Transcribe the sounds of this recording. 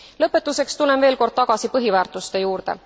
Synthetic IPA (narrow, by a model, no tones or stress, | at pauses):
lɤpːe̞t̪ːˑuse̞kst̪ulːe̞mve̞ːlko̞rd̪̥̚t̪ɑɡ̥ɑsipɤɦivæːrt̪ˑust̪e̞juːrd̪̥e̞̰